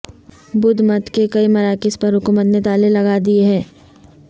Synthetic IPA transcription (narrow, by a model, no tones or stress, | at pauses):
bʊd̪ʱmɐt̪kekɐimɐɾaːkɪspɐɾɦʊkuːmət̪net̪aːlelɐɡaːd̪ieɦɛː